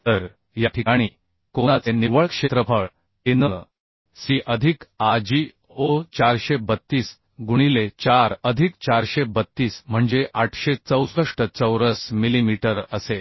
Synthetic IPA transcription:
t̪əɾ | jaʈʰikaɽ̃iː | konat͡seniʋəɭkʂet̪ɾəpʰəɭ | enəə | siʔəd̪ʱikad͡ʑi | ot͡ɕaɾɕebət̪ːiːs | ɡuɽ̃ilet͡ɕaɾəd̪ʱik̚t͡ɕaɾɕebət̪ːiːsm̤əɳd͡zeʔaʈʰɕet͡səwsɾəʂʈət͡səwɾəsmilimiʈəɾəse

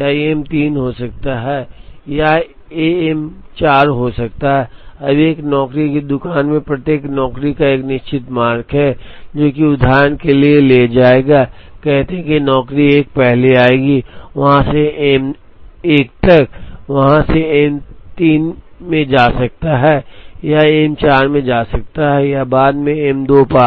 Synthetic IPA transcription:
jaiemt̪iːnɦosɐk̚t̪aɦɛːja | eɛmt͡ʃaːɾɦosɐk̚t̪aɦɛːɐbʱeːknɔːkɾiked̪ʊkaːnmẽpɾɐt̪jeːknɔːkɾikaeːknɪʃt͡ʃɪt̪maːɾkʰɦɛd͡ʒoːkiʊd̪ʱaːɾənkelieleːd͡ʒaːeːɡaː | kɛɦt̪eɦɛ̃kinɔːkɾieːk̚pɛɦleaːeːɡiʋɐɦãseeːm | eːk̚t̪ɐk̚ʋɐɦãseeːmt̪iːnmẽd͡ʒaːsɐk̚t̪aɦɛːjaeːmt͡ʃaːɾmẽd͡ʒaːsɐk̚t̪aɦɛjabaːd̪mẽeːmd̪oːpaː

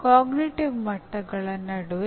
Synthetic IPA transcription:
kaːɡniʈiʋmɐʈːɐɡɐɭɐnːɐɽuʋ

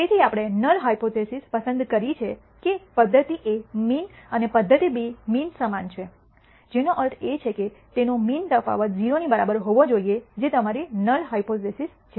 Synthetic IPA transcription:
t̪et̪ʰiapɽ̃enəlɦaipot̪esispəsə̃nd̪kəɾit͡ʃʰe | kepəd̪ʱːət̪iʔeminənepəd̪ʱːət̪ibiminsəmant͡ʃʰe | d͡ʒenoʔəɾʈ̪ʰet͡ʃʰeket̪enomint̪əfa̰ʋət̪̚d͡ʒiɾonibəɾabəɾɦoʋod͡ʒoied͡ʒet̪əmaɾinəlɦaipot̪esis | t͡ʃʰe

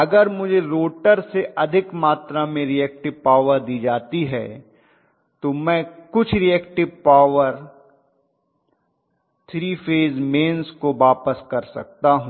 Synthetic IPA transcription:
ɐɡəɾmʊd͡ʒʱeɾoːʈəɾseʔɐd̪ʱɪkmaːt̪ɾamẽɾiɛːk̚ʈɪʋpaːʋəɾd̪iːd͡ʒaːt̪iɦɛ̰ː | t̪omɛ̃ːkʊt͡ʃʰɾiɛːkʈɪʋpaːʋəɾ | t̪ʰɾiːfeːzmeːnskoʋaːpəskɐɾsɐ̰k̚t̪aɦũː

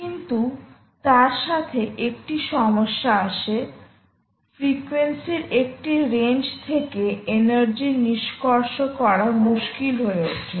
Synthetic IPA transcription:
kint̪u | t̪aɾʃat̪ʰeʔek̚ʈiʃɔmoʃːaaʃe | fɾikwensiɾek̚ʈiɾend͡ʑt̪ʰekeenaɾd͡ʑiniʃkoɾʃokɔɾaɾmuʃkilɦoeoʈʰe

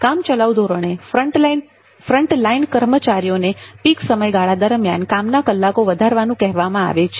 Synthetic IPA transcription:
kamt͡ʃəlaʋd̪ʱoɾəɳefəʈl | fɾəɳʈlainkəɾmət͡ʃaɾijonepiksəməjɡaɭad̪əɾmjankamnakəlːakoʋəd̪ʱaɾʋanũkɛɦʋamãa̰ʋet͡ʃʰe

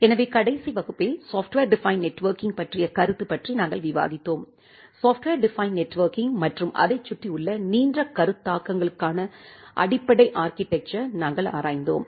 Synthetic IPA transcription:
ɛnɐʋeːkɐɽɐɪsiʋɐɣɯpːɪlsoːfʈʋeːɾɖɪfɐɪnnɛʈːʋɐːɾkɪŋɡpɐʈrɪjɐkɐɾɯt̪ːɯpɐʈrinaːŋɡɐɭʋɪʋa̰ːðɪt̪ːoːm | saːfʈʋeːɾɖɪfɐɪnnɛʈːʋɐːɾkɪŋmɐʈrɯmʔɐ̰ðɐɪt͡ʃːʊʈːiʊɭːɐniːndrɐkːɐɾɯt̪ːaːkːɐŋɡɐɭɯkːaːnɐʔɐ̰ɽɪpːɐɽɐɪʔaːɾkɪʈːɛk̚t͡ʃɐɾnaːŋɡɐɭa̰ːɾaːjnd̪o̰ːm

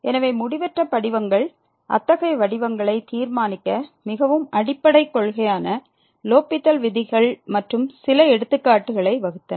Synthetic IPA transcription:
ɛnɐʋeːmʊɽɪʋɐʈrɐpːɐɽɪʋɐŋɡɐɭ | ʔɐ̰t̪ːɐɣɐɪʋɐɽɪʋɐŋɡɐɭɐɪt̪iːɾmaːnɪkːɐmɪɣɐʋɯmɐɽɪpːɐɽɐɪkːɔɭɣɐjaːnɐ | loːpːɪt̪ːɐlʋɪðɪɣɐɭmɐʈrɯmsɪlɐɛɽɯt̪ːɯkːaːʈːɯɣɐɭɐɪʋɐɣɯt̪ːɐn

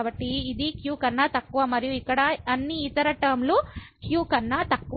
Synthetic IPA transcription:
bɐʈːiːd̪ikjuːkɐnːaːt̪ɐkːuʋaːmɐɾijuikːɐɽɐɐnːiːt̪ɐɾɐʈɐːmlukjuːkɐnːaːt̪ɐkːu

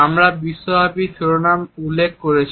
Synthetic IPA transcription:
amɾabisːobʱapisuɾonamulːek̚koɾet͡ɕʰ

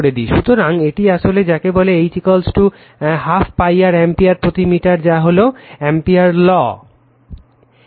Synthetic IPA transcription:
ɽed̪iʃut̪oɾaŋeʈiaʃoled͡ʑakeboleejt͡ɕikolsʈu | hafʰpajaɾɛmpiaɾpɾot̪imiʈaɾd͡ʑaɦoloɛmpiaɾlɔ

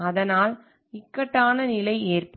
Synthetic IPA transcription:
ɐðɐnaːl | ɪkːɐʈːaːnɐnɪlɐɪeːrpɐ

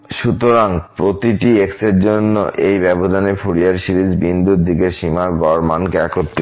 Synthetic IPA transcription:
ʃut̪oɾaŋpɾot̪iʈiekseɾd͡ʑonːo̰ʔejbɛbod̪ʱanefʰuɽiaɾʃiɾisbind̪ʱuɾd̪ʱikeʃimaɾbɔɾmankeɛkot̪ːi

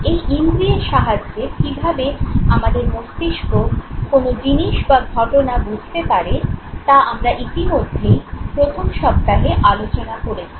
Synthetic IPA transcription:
ejʔimɾieʃaɦad͡ʑːekibʱabeamad̪eɾmost̪iʃkokonod͡ʑiniʃbaɡʱɔʈonabud͡ʑʱt̪epaɾet̪aamɾaʔit̪imod̪ʱːepɾot̪ʰomʃɔb̚t̪aɦeʔalot͡ɕonakoɾet͡ɕʰi̥

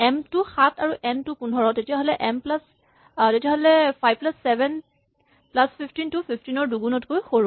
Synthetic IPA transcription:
ɛmtuxatʰaɹuʔɛmtupundʱɔɹɔtetijaɦolɛʔɛmplas | tetijaɦolɛpʰajb̚plasːɛbʱɛn | plaspʰipʰtintupʰipʰtinɔɹduɡunɔtkojxoɹu

